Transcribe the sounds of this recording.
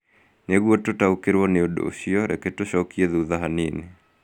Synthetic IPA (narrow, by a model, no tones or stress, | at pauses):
neɣwototaukeɾwɔneodo̰ɕiɔɾḛketoɕɔkiɛðuðaɦanine